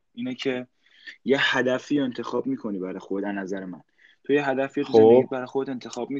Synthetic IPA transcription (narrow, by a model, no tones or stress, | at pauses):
ʔiːnecʰe̞ | jehæd̪æfiːent̪ʰe̞xɒːbmiːkʰo̞niːbæɾɒjxodd̪ænæzæɾemæn | t̪ʰojeɦæd̪æfiːeoibæɾɒjxoet̪e̞nt̪ʰe̞xɒːb̥̚mi